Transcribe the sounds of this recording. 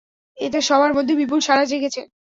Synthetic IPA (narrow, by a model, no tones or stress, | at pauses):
et̪̬eʃɔbʱaɾmod̪ʱːebip̬ulʃaɾad͡ʑeɡet͡ɕʰe